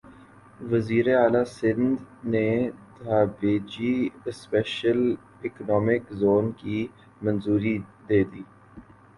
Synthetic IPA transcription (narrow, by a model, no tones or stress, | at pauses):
ʋəziːɾeaːlasɪ̃nd̪net̪aːbeːd͡ʒispɛːʃəl | ɪknɔːmɪkzoːnki | mɐ̃nzuːɾid̪eːd̪iː